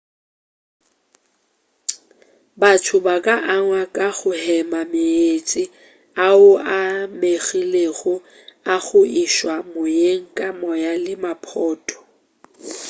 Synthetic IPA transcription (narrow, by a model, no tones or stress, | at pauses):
batʰʊbakʼaʔaŋwakʼaɣʊhɛmamɪet͡sʼɪ | aʊameɣileɣʊ | aɣʊiʃwamojeŋ̩kʼamɔjalɪmapʰɔːtʼɔ̥